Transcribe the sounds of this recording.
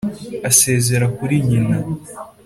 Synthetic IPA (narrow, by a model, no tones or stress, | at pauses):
ase̞ːze̞ɾakuɾiɲina